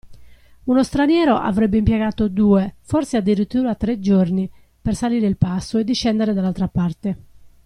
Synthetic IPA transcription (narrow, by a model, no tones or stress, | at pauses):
unɔst̪ɾanjɛːɾoʔa̰vɾɛbːeimpjeɡaːt̪od̪uːɛfɔɾsead̪ːiɾit̪ːuːɾat̪ːɾed͡ʒorni | pɛrsaliːɾeilpasːoɛd̪ːiʃːɛnd̪eɛɾɛd̪alːalt̪ɾapart̪e